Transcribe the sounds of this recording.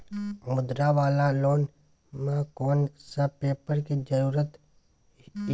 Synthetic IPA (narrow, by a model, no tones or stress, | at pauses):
mʊd̪ɾaʋaːlaloːn | mãkoːnsəpeːpəɾkid͡ʒəɾuːɾət̪